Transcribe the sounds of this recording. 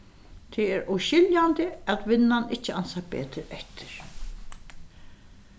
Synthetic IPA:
t̪ʰɪɛɾuʃɪljand̪ɪæt̪ʋɪnːanɪt͡ʃːɪansabḛːt̪ɪɾɛht̪ʰɪ̥ɾ̥

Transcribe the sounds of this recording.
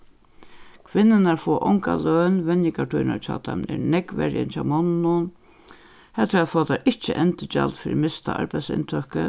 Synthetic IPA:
kʰʋɪnːɪnaɾfɔːʔɔŋka̰lœːnʋɛnjɪkaʈʰujna̰ɾt͡ʃʰaːt̪ʰamnɛ̰ɾnɛkʋɛ̰ɾjɪ̰nt͡ʃʰamɔnnʊn | hɛlt̪ʊɾaðfɔːt̪aɾʔɪht͡ʃəʔɛnt̪ɪt͡ʃalt̪fɪːɾɪmɪst̪aʔa̰ɹpajsɪ̰nt̪ʰœhkə

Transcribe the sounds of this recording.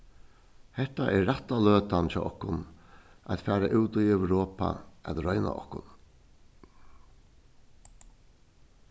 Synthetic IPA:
hɛt̪aʔɛːat̪ːaløːt̪ant͡ʃaːʔɔhkʊnʔæ̰t̪fæːɾaʔʉwt̪uɛwɾoːpa̰æt̪ɾœʏna̰ʔɔ̰hkʊn

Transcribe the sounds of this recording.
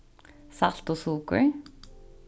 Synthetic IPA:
sɑl̥t̪oːsuːkə̰ɹ

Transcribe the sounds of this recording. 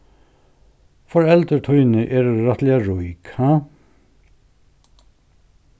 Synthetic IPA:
fɔɹɛlt̪ət̪ʰujnɪʔɛːɾːat̪lɛaɹujka

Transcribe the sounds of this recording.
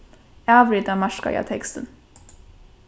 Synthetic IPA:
ævɾɪd̪amaʂka̰ja̰t̪ʰɛkst̪ən

